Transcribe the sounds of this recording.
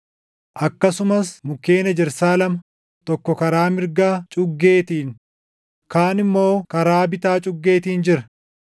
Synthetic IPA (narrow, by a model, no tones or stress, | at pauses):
ʔɐkːɐsʊmɐsmʊkːeːnɐd͡ʒɛɾsaːlɐmɐ | t̪ɔkːɔkɐɾaːmɪɾɡaːt͡ʃʼʊɡːe̞ːt̪iːn | kaːnɪmːo̞ːkɐɾaːbɪt̪aːt͡ʃʼʊɡːe̞ːt̪iːnd͡ʒɪɾɐ